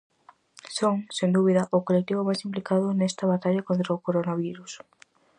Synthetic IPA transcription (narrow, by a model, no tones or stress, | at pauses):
soŋsend̪uβiðɐʔʊkolek̚t̪iβʊmajsimplikaðʊnest̪ɐβat̪aʎɐkont̪ɾɐokoɾonaβiɾus